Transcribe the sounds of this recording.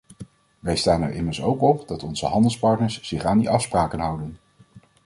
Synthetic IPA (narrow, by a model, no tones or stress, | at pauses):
ʋɛjstaːnɛ̰ɹʔɪ̰məɹsowkɔpd̥ɑtɔnz̥ə̰ɦɑndəlˠspɑɹtnəɹsz̥ɪχaːndiʔɑfspraːkənɦʌwdən